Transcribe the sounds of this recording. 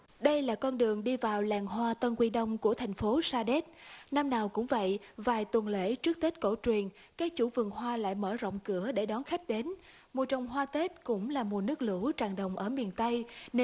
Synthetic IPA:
ɗə˧jlaː˨˩kɔ˧nɗɨ˨˩əŋɗi˧vaː˨˩wlaː˨˩ŋɦwaː˧t̪ə˧nkwi˧ɗə˧wŋ͡mku˧˩ət̪ʰa˨˩jŋ̟fo˨˦saː˧ɗe˦˥t̚na˧mnaː˨˩wkʊ̰˧˥ŋ͡mvə̰˧˨jvaː˨˩jt̪wə˨˩nlḛ˧˩t͡ɕɨ˦˥k̚t̪e˦˥t̚ko̰˧˩t͡ɕwi˨˩ən | kaː˦˥k̚t͡ɕu˧˩vɨ˨˩ŋɦwaː˧la̰ː˧˨jməː˧˩zə̰˧˨wŋ͡mkɨ˧˩əɗe˧˩ɗɔ˨˦nxa˦˥jk̟̚ɗe˨˦n | mu˨˩t̚t͡ɕɔ˨˩wŋ͡mɦwaː˧t̪e˦˥t̚kʊ̰˧˥ŋ͡mlaː˨˩mu˨˩nɨ˦˥ək̚lɨ̰˧˥t͡ɕaː˨˩ŋɗə˨˩wŋ͡mʔəː˧˩mi˨˩ənt̪ə˧jne˧

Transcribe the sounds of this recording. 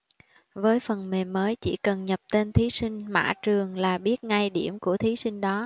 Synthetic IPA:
vəː˨˦jfə˨˩nmeː˨˩əː˨˦jt͡ɕḭ˧˩kə˨˩nɲə˨˩p̚t̪e˧nt̪ʰi˨˦sï˧ŋ̟ma̰ː˧˥˩t͡ɕɨ˨˩əŋlaː˨˩ɓi˦˥ət̚ŋa˧jɗi˧˩əmku˧˩ət̪ʰi˨˦sï˧ŋ̟ɗɔ˨˦

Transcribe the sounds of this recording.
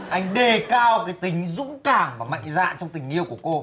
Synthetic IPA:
ʔa˧jŋ̟ɗe˨˩kaː˧wkaː˨˦jt̪ï˨˦ŋ̟zʊ̰˧˥ŋ͡mkaː˧˩ŋvaː˨˩ma̰˧˨jŋ̟za̰ː˧˨nt͡ɕɔ˧wŋ͡mt̪ï˨˩ŋ̟ʔi˧əwku˧˩əko˧

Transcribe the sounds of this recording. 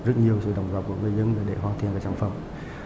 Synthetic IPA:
zə˦˥t̚ɲi˨˩əwsɨ̰˧˨ɗə̰˧˩wŋ͡mlɔː˨˩p̚ku˧˩əŋɨ˨˧jzə˧˦nɗaː˨˩ɗe˧˩ɦwaː˧nt̪ʰḭ˨˧˨nvaː˨˧˥sa̰ː˧˩ŋfə˧˩m

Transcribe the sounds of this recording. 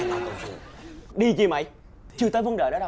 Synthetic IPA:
ɗi˧t͡ɕi˧˩ma̰˧˨j | t͡ɕɨ˧ət̪əː˨˦jvə˧nɗəː˧˨ɗɔ˨˦ɗa˨

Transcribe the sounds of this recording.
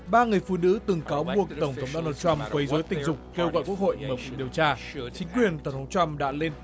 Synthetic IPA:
ɓaː˧ŋɨ˨˩əjfṵ˧˨nɨ̰˧˥t̪ɨ˨˩ŋkaː˨˦wɓu˨˩ək̚t̪ə˧˩wŋ͡mt̪ʰə˨˦wŋ͡mɗo˧naː˧t͡ɕwa˧mkwə˨˦jzo˨˦jt̪ï˨˩ŋ̟zʊ˨˩k͡p̚kːe˧wɣɔ̰˧˨jku˦˥ək̚ho̰˧˨jməː˨˩kwu˨˩k̚ɗi˨˩əwt͡ɕaː˧ | t͡ɕï˨˦ŋ̟kwi˨˩ənt̪ə˧˩wŋ͡mt̪ʰə˨˦ŋ͡mt͡ɕwa˧mɗa̰ː˧˥le˧n

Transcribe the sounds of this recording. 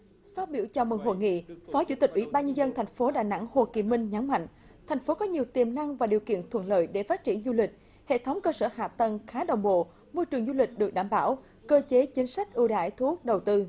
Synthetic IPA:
faː˦˥t̚ɓi˧˩əwt͡ɕɔ˧mɨ̰˧˩ŋɦo̰˧˨jŋḭ˧˨fɔ˨˦t͡ɕṵ˧˥t̪i˨˩k̟̚wḭ˧˩˦ɓaː˧nɲə˧nzə˧nt̪ʰa˨˩jŋ̟fo˨˦ɗaː˧˨˩jna̰˧˥ŋho˨˩ki˨˩mï˧ŋ̟ɲa˨˦nma̰˧˨jŋ̟ | t̪ʰɛ˨˩jŋ̟fo˨˦kɔ˨˦ɲi˨˩əwt̪i˨˩əmna˧ŋvaː˨˩ɗi˨˩əwkḭ˧˨ənt̪ʰwə̰˧˨nlə̰ː˧˨jɗe˧˩faː˦˥t̚t͡ɕḭ˧˩ənzu˧lï˨˩k̟̚ | hḛ˧˨t̪ʰə˨˦wŋ͡mkəː˧səː˧˩ha̰ː˧˨t̪ə˨˩ŋxaː˨˦ɗə˨˩wŋ͡mɓo̰˧˨ | mo˧jt͡ɕɨ˨˩əŋzu˧lï˨˩k̟̚ɗɨ˨˩ək̚ɗaː˧˩mɓaː˧˩w | kəː˧t͡ɕe˨˦t͡ɕï˨˦ŋ̟sa˦˥k̟̚ʔɨ˧ɗa̰ː˧˩jt̪ʰu˧˦ə˦˥k̚ɗə˨˩wt̪ɨ˧

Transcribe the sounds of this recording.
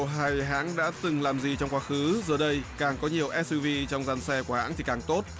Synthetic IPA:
ɦaː˧˩jɦa̰ː˧˥ŋɗa̰ː˧˥t̪ɨ˨˩ŋlaː˨˩mzi˨˩t͡ɕɔ˧wŋ͡mkwaː˧xɨ˨˦zəː˨˩ɗə˧jkaː˨˩ŋkɔ˨˦ɲi˨˩əwʔɛ˦˥s̚i˧vi˧t͡ɕɔ˧wŋ͡mza˧nsɛ˧ku˧˩əha̰ː˧˥nt̪i˨˩kaː˨˩ŋt̪o˦˥t̚

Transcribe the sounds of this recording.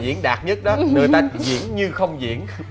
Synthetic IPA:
zḭ˧˥ənɗaː˨˩t̚ɲə˦˥t̚ɗɔ˨˦nəː˨˩jt̪aː˧zḭ˧˨˥ənɲɨ˧xə˧wŋ͡mzḭ˧˨˥ən

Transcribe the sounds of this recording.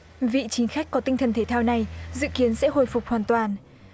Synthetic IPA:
vḭ˧˨t͡ɕï˨˦ŋ̟xa˦˥k̟kːɔ˨˦t̪ï˧ŋt̪ʰə˨˩nt̪ʰe˧˩t̪ʰaː˧wna˨˩jzɨ̰˧˨ki˨˦ənsɛ̰˧˥ɦo̰˧˨jfʊ˨˩k͡p̚hwaː˨˩nt̪waː˨˩n

